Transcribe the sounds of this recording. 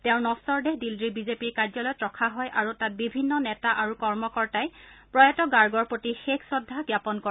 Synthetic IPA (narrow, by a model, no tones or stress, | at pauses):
tɛ̃ʊ̃nɔsɔɹdeɦdildɹibizepiɹkaɹzɔlɔjtɹɔkʰaɦɔjʔaɹutat̚bibʱinːɔnɛtaʔaɹukɔɹmɔkɔɹtajpɹɔjɛtɔɡaɹɡɔɹpɹotixekʰsɔdʱːaɡjapɔnkɔ